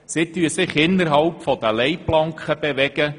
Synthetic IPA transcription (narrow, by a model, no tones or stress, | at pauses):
sɪt̪yəsɪχɪnːəɾɦɑlpfɔd̥̪əlɛɪplɑŋkχəb̥ɛʋɛɡ̥ə